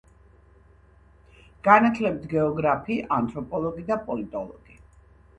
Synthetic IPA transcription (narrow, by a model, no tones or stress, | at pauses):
ɡ̥anat̪ʰlɛp̚t̪ʰɡɛɔɡɾapʰiːʔant̪ʼɾɔpʼɔlˠɔɡid̪apʼɔlit̪ʼɔlˠɔ̰ɡ̥i